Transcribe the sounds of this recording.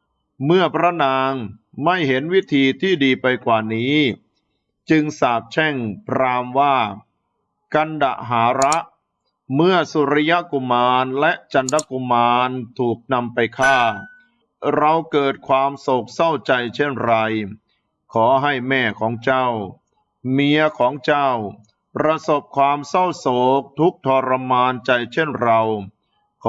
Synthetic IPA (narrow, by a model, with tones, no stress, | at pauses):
mɯ˥˩ɐpʰɾa˦˥naː˧ŋma˥˩jɦe˩˦nwi˦˥t̪ʰiː˧t̪ʰiː˥˩diː˧pa˧jkwaː˨˩niː˦˥ | t͡ɕɯ˧ŋsaː˨˩p̚t͡ɕʰɛ˥˩ŋpʰɾaː˧mwaː˥˩ | ka˧nda˨˩ʔɦaː˩˦ɾa˦˥ʔ | mɯ˥˩ɐsu˧˩ɾa˦ja˦˥ʔku˧maː˧nlɛ˦˥ʔt͡ɕa˧nda˦˥ku˧maː˧nt̪ʰuː˨˩k̚na˧mpa˧jkʰaː˥˩ | ɾa˧wkɤː˨˩t̪̚kʰwaː˧mso˨˩k̚sa˥˩wt͡ɕa˧jt͡ɕʰe˥˩nɾa˧j | kʰɔː˩˦ɦa˥˩jmɛː˥˩kʰɔː˩˦ŋt͡ɕa˥˩w | mi˧ɐkʰɔː˩˦ŋt͡ɕa˥˩w | pɾa˧so˨˩p̚kʰwaː˧msa˥˩wsoː˨˩k̚t̪ʰu˦˥k̚t̪ʰɔː˧ɾa˧maː˧nt͡ɕa˧jt͡ɕʰe˥˩nɾa˧w | kʰ